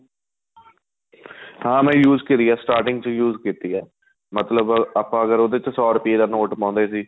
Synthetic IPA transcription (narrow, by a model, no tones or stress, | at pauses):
hãːmɛ̃ːjuːzkɪɾiːaːsʈaːɾʈɪ̃ŋɡt͡ʃəjuːzkiːt̪ijaː | mət̪ləbəpãːəɡəɾoːd̪et͡ʃsɔːɾəpied̪aːnoːʈpãːnd̪eːsiː